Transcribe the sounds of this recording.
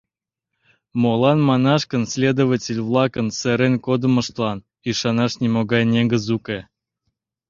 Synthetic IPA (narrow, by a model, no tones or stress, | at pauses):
molɑnmɑnɑʃkənsʲlʲed̪ovatʲelʲvlˠɑkənseɾenkod̪əmə̆ʃt̪lɑn | iʃɑnɑʃnʲemoɡɑjnʲeɡəzuke